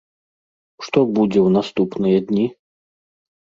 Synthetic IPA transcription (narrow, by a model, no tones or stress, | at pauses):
ʂt̪ɔbud͡zʲɛwnast̪upnɨjɐd̪ʲnʲi